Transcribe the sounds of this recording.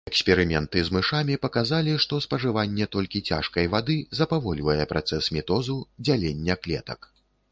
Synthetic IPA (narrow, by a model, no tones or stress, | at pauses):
ɛksʲpʲɛɾɨmʲɛnt̪ɨzmɨʂamʲipɐkazalʲiʂt̪ɔspɐʐɨvanʲːɛt̪ɔlʲkʲit͡sʲa̰ʂkɐjvad̪ɨzɐpavɔlʲvɐjɛpɾʔa̰t̪sɛsmʲit̪ɔzud͡zʲalʲenʲːɛklʲɛ̰t̪ɐ̰k